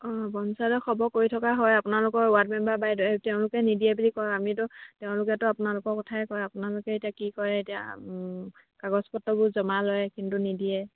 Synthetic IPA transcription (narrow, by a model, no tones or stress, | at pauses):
ɔbɔnsadɔxʰɔbɔkoɹitʰɔkaɦɔjapʊnalʊkɔɹʊwat̚mɛmbabajdɔeteʊ̃lʊkɛnidiɛbulikɔjamitɔteʊ̃lʊkɛtʊapʊnalʊkɔɹkɔtʰaɛkɔjapʊnalʊkɛetijakikɔɹɛetia̰ | kaɡɔspɔtːɔbʊzɔmalɔjɛkintunidiɛ